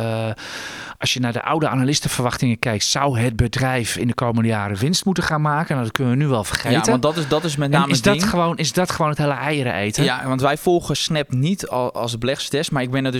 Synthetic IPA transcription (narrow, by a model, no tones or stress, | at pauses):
ʔɑsjənadə̰ʔa̰wdəʔanalɪstəfərʋɑxtɪŋəkɛjk̚tsawɦəd̚bədrɛjfɪndəkʰowməndəjaːɾəʋɪnstmutəχaːnmaːkənadɔt̚kønənʋənyʋɛlˠfərxeːtəndɔtdɔtɪsmɛtnaːməsdɔxəʋoːnɪsdɔtxəʋoːnətheːləʔɛjəɾə̰ʔejtəaʋɑntʋɛjfɔlˠɣəsnɛpnitlˠsəbəlɛxstɛsmaɹɪɡ̚bɪnəd